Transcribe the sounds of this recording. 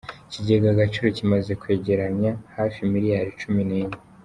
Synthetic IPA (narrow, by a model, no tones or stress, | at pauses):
ciɟe̞ɡaɡat͡ʃiɾocimaze̞kwe̞ːɟe̞ɾaɲahaːfimiɾijaɾit͡ʃumineɲe